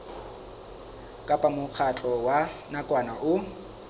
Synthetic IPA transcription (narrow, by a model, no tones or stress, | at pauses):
kʼapʼamʊk͡xʰat͡ɬʼɔwanakʼwanaʔʊ